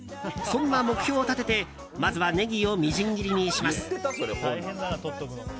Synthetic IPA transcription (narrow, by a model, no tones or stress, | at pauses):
sõ̞nːamo̞kɯ̟̥çʲo̞ːt̪at̪e̞t̪e̞ | mazɨβane̞ɡʲio̞mʲiʑĩŋɡʲiɾʲiɲʲiɕimasɨ̥ɾeo